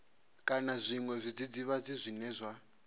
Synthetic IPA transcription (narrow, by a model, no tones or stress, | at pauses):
kʼanazʷiŋwɛzʷid͡zid͡ziβad͡zizʷinɛzʷa